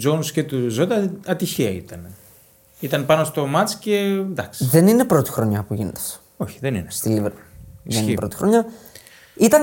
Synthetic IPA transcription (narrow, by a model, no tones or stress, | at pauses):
d͡ʒonusce̞t̪uzot̪ɐɐt̪içiɐit̪ɐne | it̪ɐnpɐno̞st̪o̞mɐt͡sce̞nd̪ɐksiðenine̞pɾo̞t̪i̥xɾo̞ɲɐpuʝinet̪e̥s | o̞çi̥ðe̞nḭnest̪iliveɾisençipɾo̞t̪i̥xɾo̞ɲɐ | it̪ɐn